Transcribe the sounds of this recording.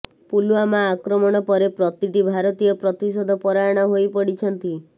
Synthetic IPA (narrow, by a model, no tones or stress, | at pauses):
pulwamaːkɾɔmɔɽ̃ɔpɔɾepɾɔt̪it̪ibʱaɾɔt̪ijɔpɾɔt̪isɔd̪ʱɔpɔɾaɽ̃ɔɦojpɔɽit͡ʃʰɔnt̪i